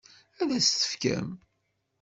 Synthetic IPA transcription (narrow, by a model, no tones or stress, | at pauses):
æðæst̪ə̥fkæ̰m